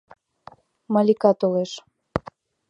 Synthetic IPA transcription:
mɑlʲikɑt̪oleʃ

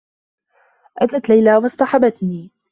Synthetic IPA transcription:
ʔat̪at̪lajlaːwɑsˤt̪ˤɑħabat̪niː

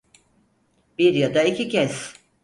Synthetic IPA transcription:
biɾjad̪aicʰʲicʰɛs

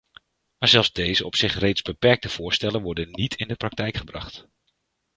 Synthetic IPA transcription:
maːɹzɛlˠfzdejzəɔpsɪχrejtzbəpɛɹk̚təv̥ʊːɹstɛlənʋɔɹdənnitʰɪndəprɑk̚tɛjkχəbrɑ̰χt

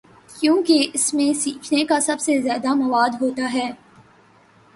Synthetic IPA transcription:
kjõːkeɪsmẽsiːkʰnekasɐbsezjaːd̪amɐʋaːd̪ɦoːt̪aɦɛː

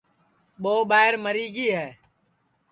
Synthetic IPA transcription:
ɓoːɓaːɦɪɾməɾiːɡiːɦɛː

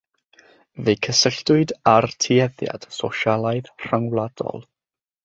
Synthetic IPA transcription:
vejkʰəsəɬd̥ʊɨdartʰiɛðja̰d̥soʃalˠaɨðr̥aŋwlˠad̥ɔ̰lˠ

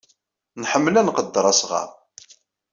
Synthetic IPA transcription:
nħəmːlænqəd̪ːəɾˤɑsʁɑ̰

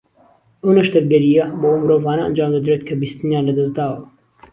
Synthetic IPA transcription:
ʔɐwnɐʃt̪ɐk̚ɡɐɾijɐɐmoːmɨɾoːvaːnɐɐ̰nd͡ʒaːmd̪ɐd̪ɾet̪̚kʰɐbist̪ɨnjaːnlɐd̪ɐzd̪aːwɐ

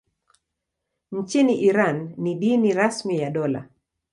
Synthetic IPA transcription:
ɲ̩t͡ʃiniʔiɾanːiɗiniɾasmijaɗɔla̰

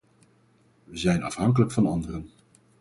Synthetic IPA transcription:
ʋəzɛjnɑ̰fɦɑŋkələkfɑnɑndərən

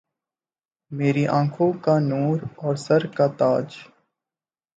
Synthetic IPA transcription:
meːɾiʔãːŋkʰõkanuːɾɔːɾsəɾkat̪aːd͡ʒ

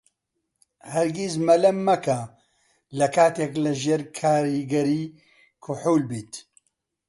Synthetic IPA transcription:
hɐɾɡizmɐlɐmːɐkɐ | lɐkʰaːt̪eklɨʒeːɾkʰaːɾiːɡɐɾiː | kʰʊħuːlbiːt̪

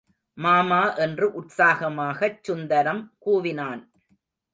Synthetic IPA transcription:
maːmaːʔɛndrɯʔʊʈsaːɣɐmaːɣɐt͡ʃːʊnd̪ɐɾɐmkuːʋɪnaːn

